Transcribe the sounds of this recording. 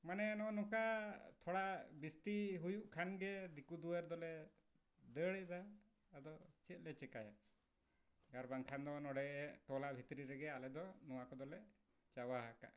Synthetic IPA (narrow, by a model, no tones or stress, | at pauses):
manɛanɔnɔkat̪ʰɔɽaʔbist̪iɦujuʔkʰanɡɛd̪ikud̪uwəɾd̪ɔlɛ | d̪əɽɛd̪aː | d̪ɔt͡ʃɛt̪̚ˀlɛt͡ʃɛkaja | ɡaɾbaŋkʰand̪ɔnɔɽɛʔɛʈɔlabʱit̪ɾiɾɛɡɛalɛd̪ɔnɔwakɔd̪ɔlɛ | t͡ʃawaɦaka̰ʔ